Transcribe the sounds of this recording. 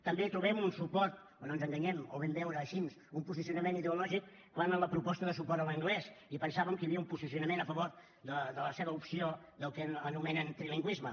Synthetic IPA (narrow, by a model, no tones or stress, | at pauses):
t̪əmbet̪ɾuβɛmunsupɔɾt̪ | ononzəŋɡəɲɛmoβɛmbɛwɾəːʃinsumpuzis̬iunəmeniðəulɔʒik | kanələpɾupɔst̪əðəsupɔɾəlˠəŋɡlɛsipənsaβəmkəjəβiəumpuzisiunəmenəfəβoɾ | d̪əðələseβəupsio | d̪əlˠkəənumɛnənt̪ɾiliŋɡwizmə